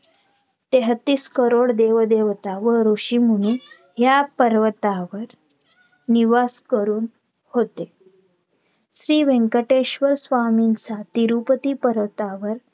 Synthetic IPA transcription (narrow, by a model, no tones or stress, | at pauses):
t̪eɦət̪ːiːskəɾoɽd̪eʋd̪eʋt̪aʋəɾuɕimuɽ̃u | ɦjapəɾʋət̪aʋəɾ | niʋaskəɾuːn | hot̪e | ɕɾiːʋẽŋkəʈeɕʋəɾsʋamint͡sat̪iɾupət̪iːpəɾʋət̪aʋəɾ